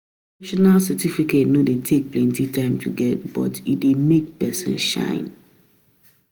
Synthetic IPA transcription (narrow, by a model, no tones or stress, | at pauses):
iʃɔnalsatifiketnodetʰek̚plɛ̃ntitãɪ̃mtʰṵɡɛt̚bɔ̰tidemek̚pɛsɛ̰̃nʃã̰ɪ̃n